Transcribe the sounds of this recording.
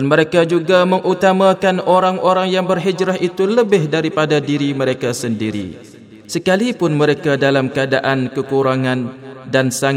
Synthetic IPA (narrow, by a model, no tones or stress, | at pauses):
anməɾekad͡ʒuɡamə̃ŋʔut̪amãkanoɾaŋʔoɾaŋjaŋbərɦid͡ʒɾaɦit̪uləbɪhdaɾipadadiɾimə̃ɾekasəndiɾḭ | səkalipʊnmə̃ɾekadalamkəadaʔankəkuɾaŋãndansaŋ